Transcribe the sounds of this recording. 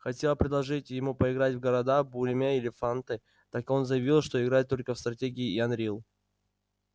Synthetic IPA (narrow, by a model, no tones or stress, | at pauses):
xɐtʲe̞lˠəpɾʲɪd̪lˠɐʐɨtʲjɪmupəɪɡɾatʲvɡəɾɐd̪abulʲɪmʲeɪlʲɪfant̪ɨ | t̪akɨo̞nzəjɪvʲilˠʂt̪o̞ɪɡɾalʲt̪ːo̞lʲkəfst̪ɾɐtʲeɡʲɪːɐnɾʲilˠ